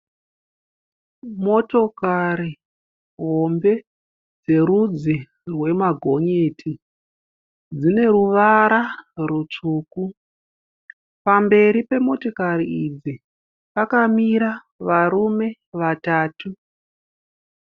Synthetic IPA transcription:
mo̞to̞kaɾi | ɦo̞mbe̞ | d͡ze̞ɾud͡zi | rwe̞maɡʱo̞ɲeːtʰi | d͡zine̞ɾuʋaɾarut͡ʂuːku | pambe̞ɾipe̞mo̞to̞kaɾiid͡zi | pakamiɾa | ʋaɾume̞ | ʋataːtu

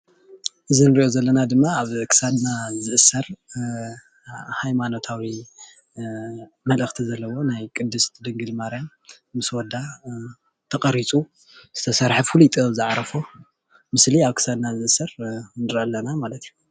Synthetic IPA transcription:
ʔɨzinɨɾiʔo̞zɐlːɐnad̪ɨmːaːβkʰɨ̥sad̪nazɨʔɨsɐɾ | hajmano̞t̪ʰawi | mɐlʔɨxt̪ʰizɐlːɐwo̞najkʼɨd̪ːɨst̪ʰd̪ɨŋɡɨlmaɾjam | mɨswɔd̪a | t̪ʰɐkʼɐɾit͡sʼu | z̥ɨt̪ʰɐsɐɾħaffulit̪ʼozɨʕaɾɐfo | mɨsliaβkʰɨ̥sad̪nazɨʔɨsɐɾnɨɾʔɐlːɐnamalɐt̪ʰiju

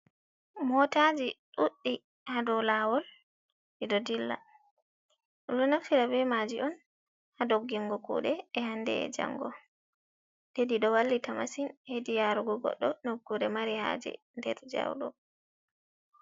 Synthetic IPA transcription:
mɔtad͡ʒiɗuɗːi | hadɔlawɔl | ʔidɔdilːa̰ | ɗɗɔnaftiɾabɛmad͡ʒiʔɔn | hadoɡːiŋɡɔkṵɗɛːhandɛ̰ɛ̰d͡ʒa̰ŋɡɔ | tediɗɔwalːitamasinhedijaɾuɡɔɡɔ̰ɗːɔnoɡːuɾɛmaɾiha̰ːd͡ʒɛ̰ | ndɛ̰ɾd͡ʒa̰wɗɔ̰

